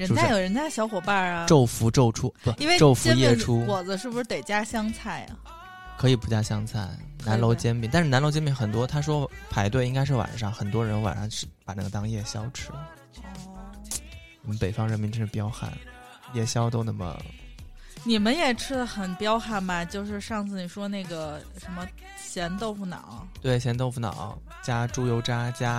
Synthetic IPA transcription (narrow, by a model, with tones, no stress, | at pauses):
ɻə˧˥n˥a˥˧jo˨˩ʊɻə˧˥nt͡ɕ̪a˥˩ɕjɑ˧˥ʊxwɔ˨˩pa˥˩ɐ˩ʈ͡ʂo˥˩ʊfu˧˥ʈ͡ʂo˥˩ʊʈ͡ʂʰu˥t̪we˥˩ɪ˥e˥˩ʈ͡ʂo˥˩ʊfu˧˥jɛ˥˧˥ʈ͡ʂʰu˥wɔ˨˩d͡zə˦ʂɻ̩˥˩buʂɻ̩˥˩t̪e˨˩ɪt͡ɕja˥ɕjɑ˥ŋt͡sʰa˥˩ɪ | kʰɤ˧˥i˨˩pu˧˥t͡ɕja˥˩ɕjɑ˥ŋt͡sʰa˥˩ɪ | na˧˥nlo˧˥ʊt͡ɕjɛ˥npi˨˥˩t̪a˥˧nʂɻ̩˥na˧˥lo˧˥t͡ɕjɛ˥mpi˧˩xə˨˩nt̪wɔ˥t̪ʰa˥ʂ̬wɔ˥pʰa˧˥ɪt̪we˥˩ɪi˥ŋka˥ɪʂ̬ɻ̩˥˩wa̰˨˩nʂɑ˥ŋxə˨˩nt̪wɔ˥ɻə˧˥nwa̰˨˩nʂɑ˥ŋʂ̩˥˩pa˨˩na˥˩ɡə˧t̪ɑ˥ŋjɛ˥˩ɕjɑ˥ʊʈ͡ʂʰɻ̩˥ | ɔ˥˩ | ni˨˩mə˦npe˨˩ɪfɑ˥ŋɻə˧˥nmi˧˥nʈ͡ʂ̩ʰ˥˧pjɑ˥ʊxa̰˥˩n | jɛ˥˩ɕjɑ˥ʊt̪o˥ʊna˧˥mə̰˧ | ni˨˩mə˦njɛ˨˩ʈ͡ʂʰɻ̩˥d̪ə˨xə˨˩npjɑ˥ʊxa˥˩nbɐ˨t͡ɕjo˥˧ʊʂɻ̩˥˧ʂɑ˥˧ŋt͡sɹ̩˥˩i˨˩ʂwɔ˥ne˥˩ɪɡə˩ | ʂə˧˥nmə˧ | ɕjɛ˧˥nt̪o˥˧ʊfu˥˩nɑ̰˨˩˦ʊt̪we˥˩ɪɕjɛ˧˥nt̪o˥˧ʊfu˥˩nɑ̰˨˩˦ʊ | t͡ɕja˥ʈ͡ʂu˥jo˧˥ʊʈ͡ʂa˥t͡ɕja˥